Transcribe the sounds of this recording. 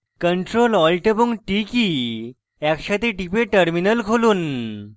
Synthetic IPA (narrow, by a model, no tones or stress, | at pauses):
kəɳʈɾolɔlʈəbuŋʈiki | jakɕat̪eʈipeʈəɾminəlkʰoluːn